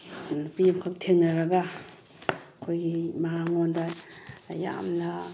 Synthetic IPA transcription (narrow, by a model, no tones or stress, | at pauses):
pijmkʰak̚tʰeŋnɐɾɐɡɐ | kʰojɡimaɦaŋondɐja̰mnɐ